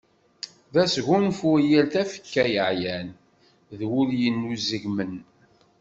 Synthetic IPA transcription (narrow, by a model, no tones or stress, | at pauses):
ðæsɣunfʊjælθæfə̥kːæjəʕjæn | ðwʊljənːuzəʝmən